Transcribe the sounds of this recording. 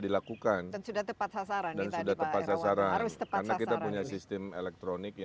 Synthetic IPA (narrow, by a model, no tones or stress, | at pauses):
dilakukannsudat̪əpat̪sasaɾadansudaht̪əpat̪sasaɾanəkarnakit̪apuɲasist̪ɛmelɛk̚t̪ɾonɪkj